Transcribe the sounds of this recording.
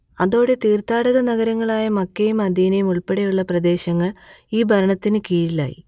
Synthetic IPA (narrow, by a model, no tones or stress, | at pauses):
ɐðo̞ːɽe̞t̪iːrt̪aːɽɐɣɐnɐɣɐɾɐŋːɐɭaːjɐmɐkːejumɐd̪ijnejumuɭpeɽejuɭːɐprɐd̪e̞ːɕɐŋːɐɭiːbʱɐɾɐɳɐt̪ːinɨkiːɻila̰ːjḭ